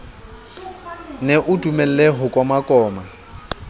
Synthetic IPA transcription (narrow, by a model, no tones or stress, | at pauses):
neʔʊdumɛl̩lɛɦʊkʼwamakʼɔːma